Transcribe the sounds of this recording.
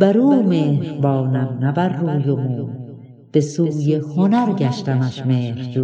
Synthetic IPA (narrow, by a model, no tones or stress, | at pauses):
bæɾuːmeːhbɑːnæmnæbærːuːjomuː | b̥esuːjehonæɾɡæʃt̪æmæʃmeːɾd͡ʒu